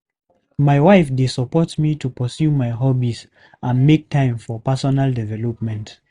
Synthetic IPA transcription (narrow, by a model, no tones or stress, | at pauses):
maɪwaɪfdesɔpɔtmitupɔsjumaɪɦɔbis | ʔãnmek̚tʰãɪ̃mfɔpasɔnaldɛvɛlɔpmɛ̃nt